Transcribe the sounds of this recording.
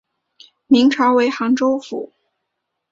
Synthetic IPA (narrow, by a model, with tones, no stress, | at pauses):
mi˧˥ŋʈ͡ʂʰɑ˧˥ʊwe˧˥ɪxɑ˧˥ŋʈ͡ʂo˥ʊfṵ˨˩˦